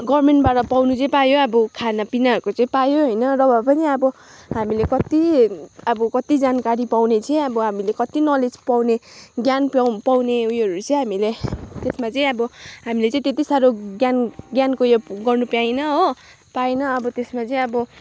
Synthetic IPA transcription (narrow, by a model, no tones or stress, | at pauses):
ɡʌrmeɳʈbaʈʌpawnut͡sʌĩpajoʌbʌkʰanapinaɦʌɾukot͡sʌĩpajoɦʌjnʌrʌbʱʌpʌniʌbʌ | ɦamilekʌt̪iʌbʌkʌt̪id͡zankaɾipawnet͡sʌj̃ʌbʌɦamilekʌt̪inʌled͡zpawneɡjanpapawneujʌɾut͡sʌj̃ɦamilet̪esmat͡sʌĩʌbʌɦamilet͡sʌ̃ĩt̪et̪isaɾoɡjanɡjankojoɡʌrnupjajnʌɦo | paenʌːbʌt̪esmat͡sʌĩʌbʌ